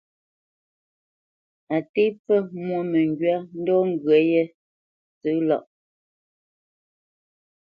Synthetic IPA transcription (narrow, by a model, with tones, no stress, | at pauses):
a˨te˦p͡fə˦mwo˦˨mə˨ŋɡɥa˦n̩˦dɔ˦ŋ̩˦˨ɡɥe˨˦je˦ | t͡sə˦lɔ˦˨ʔ